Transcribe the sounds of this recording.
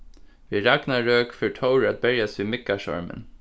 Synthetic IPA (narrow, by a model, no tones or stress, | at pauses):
ʋɪːɹaɡnaɹøːkfœɹʈʰoʊɹat̪̚bɛɹjasʋiːmɪkːaʃɔ̰ɹmə̰n